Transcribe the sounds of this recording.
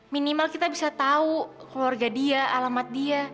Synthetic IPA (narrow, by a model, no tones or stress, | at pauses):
minimalkit̪abisat̪aukluarɡadiaʔalamat̪̚dia